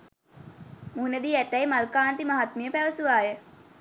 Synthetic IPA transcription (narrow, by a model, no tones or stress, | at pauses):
muɦuned̪iːæʈæjmalkaːnt̪imaɦat̪mijəpæʋəsuʋaːjə